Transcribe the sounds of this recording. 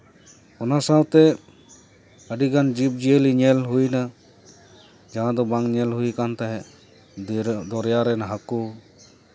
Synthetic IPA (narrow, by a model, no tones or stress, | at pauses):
ɔnasawt̪ɛ | əɖiɡand͡ʒip̚d͡ʒieliɲɛlɦujna | d͡ʒaɦãd̪ɔbaŋɲɛlɦujkant̪aɦɛ | d̪ɔɾjaɾɛnaɦaku